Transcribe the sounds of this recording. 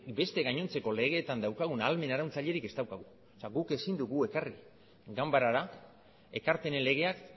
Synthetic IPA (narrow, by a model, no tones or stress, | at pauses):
be̞st̪e̞ɣaɲo̞nt͡se̞ko̞le̞ɣ̞e̞ːt̪and̪awkaɣ̞unalme̞naɾawnt͡saʎe̞ɾike̞st̪awkaɣu | seaɣuke̞sind̪uɣue̞kari | ɡambaɾaɾa | e̞kaɾpe̞ne̞nle̞ɣ̞e̞ak